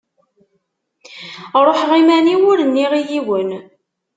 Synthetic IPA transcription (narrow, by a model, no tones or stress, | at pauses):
ɾˤoħʁimæniwʊɾənːiʁijiwən